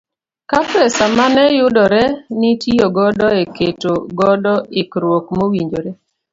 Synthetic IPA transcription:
kapɛsamanɛjʊdɔɾɛnitioɡɔdɔeketoɡɔdɔɪkɾwokmowiɲd͡ʒoɾe

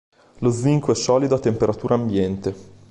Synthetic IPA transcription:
loiŋkoɛsɔːlid̪oat̪ːempeɾat̪uːɾʔaːmbjɛnt̪e

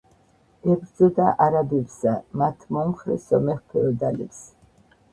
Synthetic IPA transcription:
ɛbɾd̪zɔd̪aʔaɾabɛbsamat̪ʰmɔmχɾɛ̰sɔmɛχpʰɛɔd̪alɛps

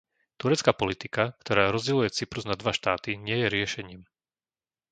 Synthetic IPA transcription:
t̪uɾɛt͡skaːpɔlit̪ikakt̪ɔɾaːɾɔzɟɛlujɛt͡sipɾuznad̪ʋaʃt̪aːt̪iɲɪɛjɛɾɪɛʃɛɲiːm

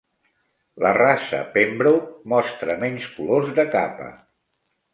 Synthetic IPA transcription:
lərasə̰pembɾomɔst̪ɾəmɛɲskulozðəkapə̰

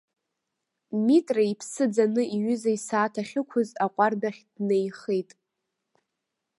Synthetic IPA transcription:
mitʼraipʰsɨd͡zanɨʔiɥʏzaisaːtʰaχʲɪkʷʰʊzaqʷʼardaχʲdnejχejtʼ

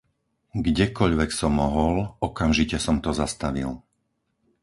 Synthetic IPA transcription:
ɡɟɛkɔʎʋɛksɔmːɔɦɔlɔkamʒicɛsɔmt̪ɔzast̪aʋḭl

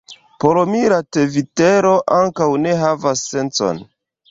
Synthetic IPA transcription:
polomiɾateviteɾo̞ʔaŋkawne̞ɦavasːe̞nt͡so̞̰n

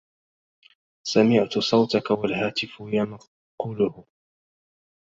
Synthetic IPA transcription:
samɪʕt̪ʊsˤɑwt̪akawalhaːt̪ɪfʊjama | quːlʊhʊ

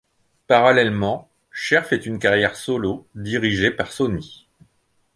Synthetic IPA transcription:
paʁalɛlmɑ̃ | ʃɛʁfɛt̪ynkaʁjɛʁsɔlod̪iʁiʒepaʁsɔni

